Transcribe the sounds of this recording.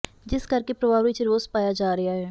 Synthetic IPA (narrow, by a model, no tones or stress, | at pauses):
d͡ʒɪskəɾkeːpɾəʋaːʋiːt͡ʃɾoːspaːjaːd͡ʒaːɾɪaːɦɛː